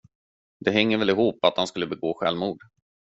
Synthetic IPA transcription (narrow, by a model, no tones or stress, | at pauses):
d̪̥ɛɦɛŋːəɾvɛlɪɦuːpːat̪̚hanskɵlːəbɛɡoːɧɛlmuːɖ